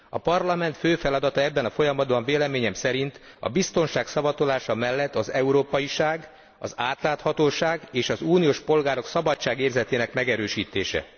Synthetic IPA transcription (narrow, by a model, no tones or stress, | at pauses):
ɒpɒrlɒmɛnt̪føːfɛlɒd̪ɒt̪ɒɛbːɛnɒfo̞jɒmɒd̪bɒɱveːlɛmeːɲɛmsɛɾint̪ɒ̰bist̪o̞nʃaːksɒbɒt̪olaːʃɒmɛlːɛt̪ːɒzɛuɾoːpɒjiʃaːɡ | ɒzaːt̪laːt̪hɒt̪oːʃaːɡeːʃɒzuːnijoːʃpo̞lɡaːɾo̞ksɒbɒt͡ʃːaːɡeːrzɛt̪eːnɛkmɛɡɛɾøːʃiːt̪ḛːʃɛ̰